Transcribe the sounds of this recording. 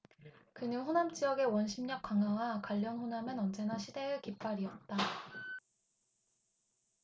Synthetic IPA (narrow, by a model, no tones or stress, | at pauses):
kɯnɯnɸonamt͡ɕ͈ijʌɡe̞wʌnɕʰimɲʌk͈̚aŋawakwaʎːʌnɸonamɯnʌnd͡ʑe̞naɕʰide̞ɯkip͈aɾiʌt̚t͈a